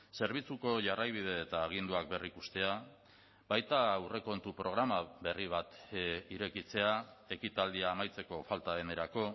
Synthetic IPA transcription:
se̞ɾβ̞it͡suko̞ʝarajβ̞ið̞e̞ːt̪aːɣind̪uak̚be̞rikust̪e̞a | bajt̪aːwre̞ko̞nt̪upɾo̞ɣɾamaβe̞riβ̞at̪iɾe̞kit͡se̞ae̞kit̪ald̪iaːmajt͡se̞ko̞falt̪aðene̞ɾako̞

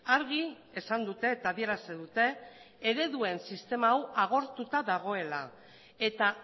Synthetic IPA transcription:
aɾɣi | e̞sand̪ut̪e̞ːt̪aβie̞ɾaseðut̪e̞ː | ɾe̞ðue̞nsist̪e̞maːwaɣ̞o̞ɾt̪ut̪aðaɣ̞o̞e̞la | e̞t̪a

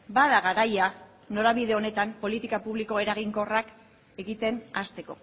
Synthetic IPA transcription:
baðaɣaɾaja | no̞ɾaβiðe̞o̞ne̞t̪ampo̞lit̪ikapuβliko̞e̞ɾaɣiŋko̞rak | e̞ɣit̪e̞nast̪e̞ko̞̰

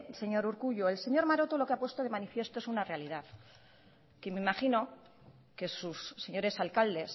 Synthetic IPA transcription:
se̞ɲo̞ɾuɾkuʎoelse̞ɲo̞ɾmaɾo̞t̪o̞lo̞keapwe̞st̪o̞ðe̞manifje̞st̪o̞e̞sunare̞aliðaθ | kemeimaχino̞ | ke̞susːe̞ɲo̞ɾe̞salkald̪e̞s

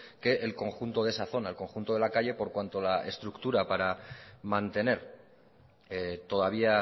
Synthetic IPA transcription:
ke̞ʔelko̞ŋxunt̪o̞ðe̞saθo̞naelko̞ŋxunt̪o̞ð̞e̞lakaʎe̞po̞ɾkwant̪o̞lae̞̰st̪ɾukt̪uɾapaɾamãnt̪e̞ne̞ɾ | et̪o̞ðaβ̞ia

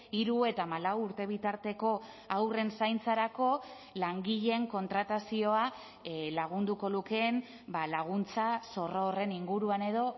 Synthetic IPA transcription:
iɾue̞t̪aːmalawuɾt̪e̞β̞it̪aɾt̪e̞ko̞ | awre̞nsajnt͡saɾako̞ | laŋɡiʎe̞ŋko̞nt̪ɾat̪asio̞a | laɣ̞und̪uko̞luke̞n | balaɣ̞unt͡saso̞roːre̞niŋɡuɾuane̞ðo̞

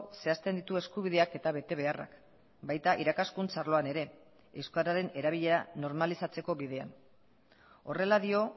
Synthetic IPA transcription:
se̞ast̪end̪it̪ue̞skuβ̞ið̞e̞ake̞t̪aβe̞t̪e̞β̞e̞ara̰k | bajt̪aʔiɾakaskunt͡saɾlo̞ane̞ɾe̞ | ewskaɾaɾe̞ne̞ɾaβiʎe̞ɾano̞ɾmalisat͡se̞ko̞βiðe̞a̰n | o̞re̞laðio̞

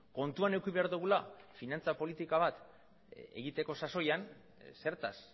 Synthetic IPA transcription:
ko̞nt̪uane̞wkiβe̞aɾðuɣ̞ulafinant͡sapo̞lit̪ikaβ̞at̪ | e̞̰ɣit̪e̞ko̞saso̞jan | se̞ɾt̪as

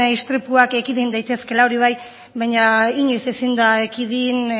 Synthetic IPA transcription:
ist̪ɾipuakekiðind̪ajt̪e̞ske̞laoɾiβ̞aj | βajɲaiɲusisind̪aekiðin

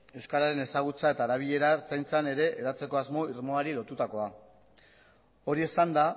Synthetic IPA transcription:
e̞wskaɾaɾe̞ne̞saɣ̞ut͡sae̞t̪aːɾaβ̞iʎe̞ɾaɾt͡sajnt͡sane̞ɾe̞ʔeðat͡se̞ko̞azmo̞iɾmo̞aɾilo̞t̪ut̪ako̞a | o̞ɾie̞sand̪a

